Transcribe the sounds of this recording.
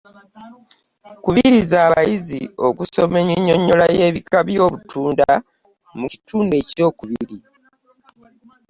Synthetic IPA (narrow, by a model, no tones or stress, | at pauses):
kuβiɾizaːβajizḭo̞kuso̞meɲeɲːoɲːolaje̞ːβikaβjo̞ːβutʰuːnda | muci̥tuːndue̞co̞ːkuβiiɾi